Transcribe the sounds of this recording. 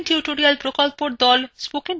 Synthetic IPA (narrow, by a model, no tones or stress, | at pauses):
nʈjuʈoɾialpɾokɔlpoɽd̪ɔlspokiŋ